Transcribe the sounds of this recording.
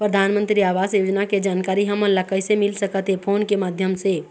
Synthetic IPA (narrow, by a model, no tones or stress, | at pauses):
pɾəd̪ʱaːnmə̃nt̪ɾiaːʋaːzjoːd͡ʒnaked͡ʒaːnkaːɾiɦɐmələkəɪsemɪlsəkət̪ɦepʰoːnkemaːd̪ʱjəmse